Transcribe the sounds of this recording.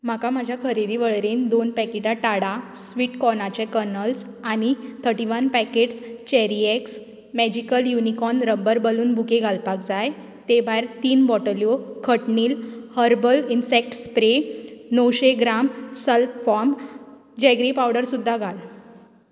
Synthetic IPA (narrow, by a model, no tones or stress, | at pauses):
m̤akamad͡ʑʱjakʰəɾid̪iʋəɭɾiːnd̪onpɛkiʈaʈaɽa | sʋiːʈkɔnat͡ɕɛ̃kəɾnəls | anit̪ʰəɾʈiʋənpɛkeʈst͡ɕɛɾieks | mɛd͡ʑikəljunikɔnɾəbəɾbəluːnbʱukeɡʱalpakd͡zaj | t̪ebʱajɾt̪iːnbɔʈəljokʰəʈniːlhəɾbəlinsek̚ʈspɾenəwɕeɡɾamsəlffɔɾm | d͡ʑɛɡɾipawɽəɾsud̪ʱːaɡʱal